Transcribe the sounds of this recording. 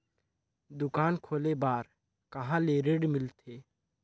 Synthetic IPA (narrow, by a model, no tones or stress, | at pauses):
d̪ʊkaːnkʰoːlebaːɾ | kɐɦãleɾeːɖmɪlt̪ʰeː